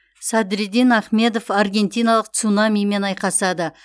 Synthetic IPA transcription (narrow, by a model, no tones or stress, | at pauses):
sɑd̪ɾed̪inaχme̞d̪o̞farɡʲe̞nt̪ijnɑlˠəq̚t̪sunɑmijme̞nɑjqɑsɑd̪ə